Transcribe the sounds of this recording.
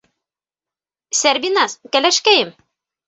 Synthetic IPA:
sæɾbinɑskælæʃkæjɘm

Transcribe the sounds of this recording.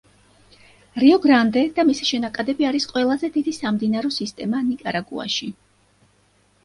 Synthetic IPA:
ɾiɔɡɾand̪ɛd̪̥amisiʃɛnakʼad̪ɛbiaɾisqʼwɛlˠazɛd̪id̪isamd̪inaɾɔsist̪ʼɛmanikʼaɾaɡṵa̰ʃi

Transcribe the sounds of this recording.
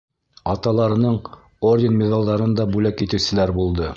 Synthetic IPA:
ɑt̪ɑlˠɑɾɤ̆nɤɴ | ordʲɪnmʲɪzɑlˠd̪ɑɾɤnd̪ɑbʉlækit̪ɘ̆wsɘ̆læɾbulˠd̪ɤ

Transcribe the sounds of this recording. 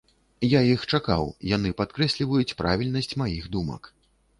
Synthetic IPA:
jajixt͡ʂaka̰wjanɨpat̪kɾɛsʲlʲivɐjut͡sʲpɾʔa̰vʲilʲnɐsʲt͡sʲmajixd̪umɐ̰k

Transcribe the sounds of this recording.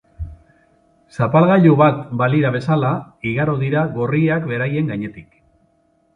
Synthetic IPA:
sapalɣaʎuβat̪baliɾaβ̞e̞salaiɣaɾoðiɾaɣo̞rieakβe̞ɾaje̞ŋɡaɲe̞t̪ik

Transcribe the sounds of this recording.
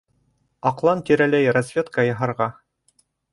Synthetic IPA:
ɑqlˠɑnt̪iɾælæjrɐzʲvʲet̪kɑjɑɦɑɾʁɑ

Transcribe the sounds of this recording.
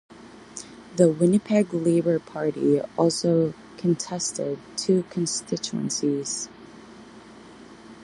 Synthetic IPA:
ðəwɪnɨpʰɛɡleɪbə˞pʰɑɹɾḭɔlˠsoʊ | kʰə̃ntʰɛstɪd̚tʰʉkʰə̃nstɪt͡ʃuə̰̃nsiz̥

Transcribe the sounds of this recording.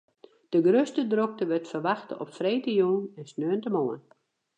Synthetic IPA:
d̥əɡrøstədrok̚təʋøtfərʋaxtə̰ʔɔpfreːtəjuːnɛnsnøəntəmoən

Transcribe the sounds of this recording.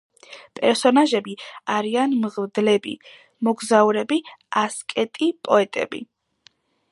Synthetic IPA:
pʼɛɾsɔnaʒɛbiaɾianmʁd̪lɛbḭ | mɔɡzauɾɛbiaskʼɛt̪ʼipʼɔɛt̪ʼɛ̰bḭ

